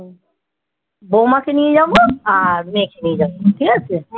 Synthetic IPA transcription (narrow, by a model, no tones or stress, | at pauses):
bomakenijed͡ʑaboaɾmekenijed͡ʑaboʈʰikat͡ɕʰe